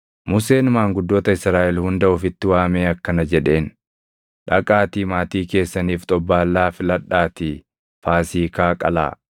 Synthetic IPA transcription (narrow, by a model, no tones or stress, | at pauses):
mʊse̞ːnmaːŋɡʊd̪ːo̞ːt̪ɐɪsɾaːʔɛlhʊnd̪ɐʔʊfɪt̪ːɪwaːmeːɐkːɐnɐd͡ʒɛᶑe̞ːn | ᶑɐkʼaːt̪iːmaːt̪iːke̞ːsːɐniːft̪ʼɔbːaːlːaːfɪlɐᶑaːt̪i | faːsiːkaːkʼɐ̰la̰ː